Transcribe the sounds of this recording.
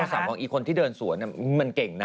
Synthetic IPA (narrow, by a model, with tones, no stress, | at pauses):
saː˨˩˦mkɔː˧ŋʔiː˨˩kʰo˧nt̪ʰiː˥˩dɤː˧nsu˨˩˦ni˥˩ma˧nke˨˩ŋna˦